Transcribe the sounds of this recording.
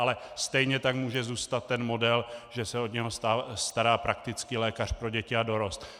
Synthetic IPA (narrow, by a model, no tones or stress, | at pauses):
alɛst̪ɛjɲɛt̪akmuːʒɛzuːst̪at̪ːɛnmo̞dɛlʒɛsɛo̞d̪ɲɛɦost̪ast̪aɾaːpɾak̚t̪ɪt͡skilɛːkar̝̥pɾo̞ɟɛcɪado̞ɾo̞st̪